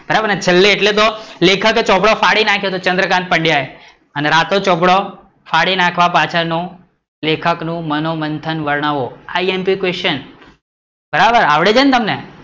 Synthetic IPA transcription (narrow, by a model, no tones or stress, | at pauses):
b̥ʱəɾabəɾnt͡ʃʰəlːeːʈlet̪olekʰəket͡ʃɔbɽofaɽinakʰjot̪ot͡ʃənd̪ɾəkãnt̪̚pəɳɖjae | əneɾat̪ot͡ʃɔbɽo | faɽinakʰʋapat͡ʃʰanũ | lekʰəknũmənomənt̪ʰənʋəɾɳ̃aʋoaiempikwesən | bəɾabəɾaʋɽed͡ʒənt̪əmne